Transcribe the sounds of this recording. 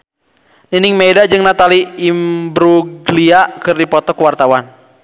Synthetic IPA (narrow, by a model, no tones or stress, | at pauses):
niniŋmejdad͡ʒɨŋnat̪aliimbɾuɡliakɨrdipɔt̪ɔkwart̪awan